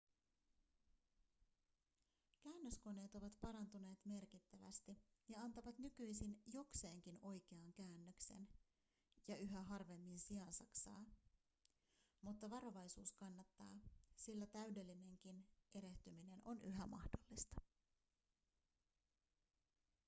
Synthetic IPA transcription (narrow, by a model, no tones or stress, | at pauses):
kæːnːøsko̞ne̞ːt̪o̞ʋɑt̪pɑɾɑnt̪une̞ːt̪me̞rk̟it̪ːæʋæ̰st̪i | jɑɑnt̪ɑʋɑt̪nykyjsinjo̞kse̞ːŋkino̞jk̟e̞ɑŋkæːnːøkse̞̰n | jɑyɦæɦɑrʋe̞mːinsiɑnsɑksɑ̰ː | mut̪ːɑʋɑɾo̞ʋɑjsuːskɑnːɑt̪ːɑːsilːæt̪æyde̞lːine̞ŋk̟inʔe̞ɾe̞ht̪ymine̞nʔo̞nyɦæmɑ̰hdo̞lːist̪ɑ̥